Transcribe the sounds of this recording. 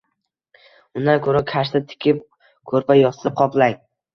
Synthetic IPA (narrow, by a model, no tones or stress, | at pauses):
ʊnd̪ankʰɵɾakʲʰaʃt̪ɪt̪ʰɪ̥kʲʰɪp̚ | kʰɵɾpajɒsɪzɪqʰɒplaj